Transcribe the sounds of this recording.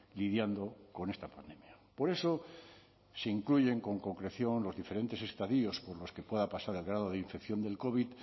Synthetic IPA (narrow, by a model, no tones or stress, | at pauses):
liðjand̪o̞ko̞ne̞st̪apand̪e̞mjapo̞ɾe̞so̞ | se̞iŋkluʝe̞ŋko̞ŋko̞ŋkɾe̞θjo̞nlo̞zðifeɾe̞nt̪e̞se̞st̪aðio̞spo̞ɾlo̞ske̞pwe̞ðapasaɾe̞lɣ̞ɾað̞o̞ð̞eiɱfe̞kθjo̞nd̪e̞lko̞βit̪